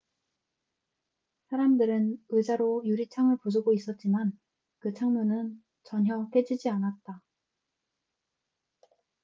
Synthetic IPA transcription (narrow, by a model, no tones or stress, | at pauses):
sʰaɾamdɯɾɯnɯd͡ʑaɾojuɾit͡ɕʰaŋɯɭpod͡ʑuɡois͈ʌt̚t͡ɕ͈iman | kɯt͡ɕʰaŋmunɯn | t͡ɕʌnɦjʌp͈ed͡ʑid͡ʑianat̚t͈a